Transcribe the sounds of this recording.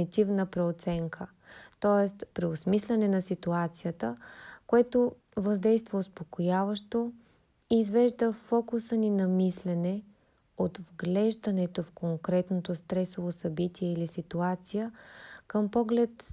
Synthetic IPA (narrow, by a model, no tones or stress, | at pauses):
it̪ivnəpɾɛot̪sɛŋkʰə | t̪ɔɛst̪pɾɛosmislʲɛnɛnɐsit̪uat̪sijət̪əkoɛt̪o | vɐzd̪ɛjst̪vəʊspokojavəʃt̪o | iːzvɛʒd̪əfɔkusəninɐmislɛnɛ | ot̪vɡlɛʒd̪ɐnɛt̪ofkoŋkɾɛt̪not̪ost̪ɾɛsovosɐbit̪iɛilisit̪uat̪sijəkəmpɔɡlɛt̪